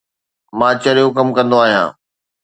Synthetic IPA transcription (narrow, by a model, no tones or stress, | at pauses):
mãːt͡ɕɐɾijokɐmkɐ̃nd̪oaːɦijã̰ː